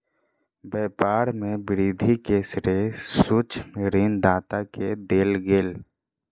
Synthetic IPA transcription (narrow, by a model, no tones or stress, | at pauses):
bɛːpaːɾmẽbɪɾiːd̪ʱikeːsɾesut͡ʃmɪɾind̪aːt̪aked̪eːlɡeːl